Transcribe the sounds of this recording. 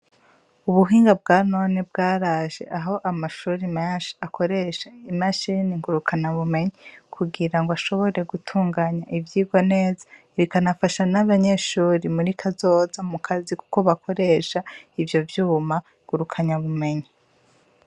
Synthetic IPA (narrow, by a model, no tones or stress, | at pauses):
uβuɦiːŋɡab̚ɡaːno̞nebɡaːɾaʒe̞̰ʔaɦo̞ʔamaʃuːɾimaʃi̥akʰo̞ɾe̞ʃaimaʃiniŋɡuɾukʰaɲaβume̞ɲikʰuɡiɾaŋɡoaʃo̞βo̞ɾe̞ɡutʰuːŋɡaɲaʔivjiːɡwone̞ːza | ɾikanafaʃanaβaɲe̞ːʃuːɾimuɾikʰazo̞ːzamukʰaziku̥ko̞βakʰo̞ɾe̞ʃaivjo̞vjuːma | ŋɡ̥uɾukʰaɲaβume̞ɲi